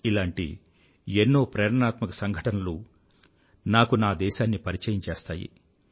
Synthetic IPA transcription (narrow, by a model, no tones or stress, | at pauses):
ilaːɳʈḭ | enːoːpɾɐjɾɐnaːt̪mɐkɐsɐŋɡʱɐʈɐnɐlu | naːkunaːd̪ɛːʃaːnːipɐɾit͡ʃɐjɐɲt͡ʃeːst̪aːjḭ